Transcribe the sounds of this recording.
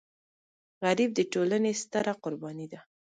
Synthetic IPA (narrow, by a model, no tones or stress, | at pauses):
ɣaɾib̚d̪əʈolanest̪əɾaqʊɾbɑnid̪a